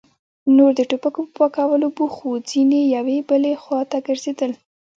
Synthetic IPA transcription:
noɾd̪əʈopakopəpakawəlobuxud͡zinejawebəlexwɑt̪aɡəɾz̥ed̪əl

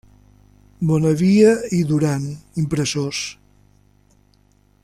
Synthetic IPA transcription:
bɔnəβiəiðuɾanimpɾəsos

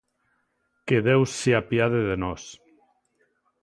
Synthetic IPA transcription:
keðewsːeapjaðeðenɔs

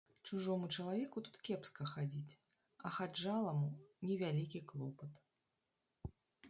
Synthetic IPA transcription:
t͡ʂuʐɔmut͡ʂɐlˠavʲɛkut̪u̥t̪kʲɛpskɐxad͡zʲit͡sʲ | ɐxad͡ʐalˠɐmunʲɛvʲalʲikʲiklˠɔpɐt̪

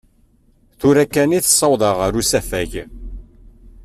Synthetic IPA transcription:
θuɾækːæniθə̥sˤːɑwðˤɑʁəɾusæfæʝ

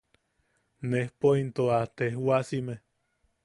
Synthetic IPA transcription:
nehpoint̪oat̪ehwasime

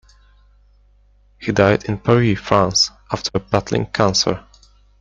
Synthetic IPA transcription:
hidaɪdɨ̃npʰəɹifɹãnsʔæftʰə˞əbætl̩ɪ̰̃ŋkʰãnsə̰l

